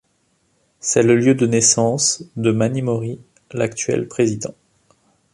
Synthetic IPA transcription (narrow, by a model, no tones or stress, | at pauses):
sɛləljød̪ənesɑ̃sd̪əmanimɔʁi | lakt̪ɥɛ̰lpχezid̪ɑ̰̃